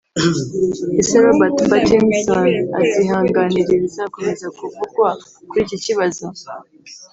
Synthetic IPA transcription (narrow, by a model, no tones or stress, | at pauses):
eseɾobatbatinsona̰ziɦaːŋɡaniɾeβizako̞me̞zakuvoɡwa | kuɾiciciβazo